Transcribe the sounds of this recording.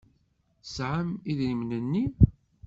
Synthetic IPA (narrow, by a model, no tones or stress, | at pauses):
sʕəmiðɾimnənːi